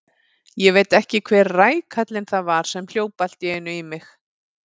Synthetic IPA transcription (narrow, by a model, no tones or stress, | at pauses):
jɛvejt̪ɛhcɪkʰvɛːɾraːjkʰat̪lɪnθaðvaɾ̥sɛml̥joːwpal̥t̪jɛɪnːʏimɪx